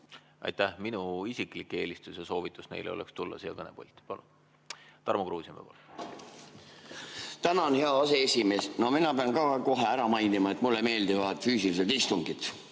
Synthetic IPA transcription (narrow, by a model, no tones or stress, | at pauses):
ʔɑ̰jt̪ːæhminuisiklikːe̞ːlist̪useso̞ːvit̪ːˑusne̞̰jleo̞̰lḛkst̪ulːɑ̰sijːɑ̰kɤnepolʲt̪ːˑi̥pɑlun | t̪ɑrmokruːsʲjimḛpɑ̰lu | t̪ænɑonheɑɑse̞esime̞ːsno̞minɑpeɑnkɑko̞ɦeæɾɑmɑjnimɑet̪mulːeme̞ːld̪ivɑt̪fyːsilis̬elt̪ist̪uŋɡit̪